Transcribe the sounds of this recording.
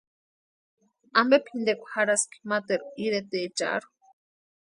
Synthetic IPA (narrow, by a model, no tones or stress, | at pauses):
ambepʰind̪ekʷḁhaɾaski̥mat̪eɾuiɾet̪et͡ʃa̰ɾu̥